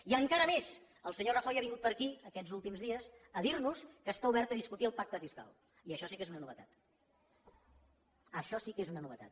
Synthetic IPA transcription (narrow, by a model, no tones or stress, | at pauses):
iəŋkaɾəmez | əlˠsəɲorəxɔjaβiŋɡut̪pəɾkiəkɛd͡zulˠt̪imzðiəsəðiɾnuskəːst̪auβɛɾt̪əðiskut̪iəlˠpak̚t̪əfiska̰lˠ | iəʃɔsikezunənuβət̪a̰t̪ | əʃɔsikezunənuβət̪a̰t̪̚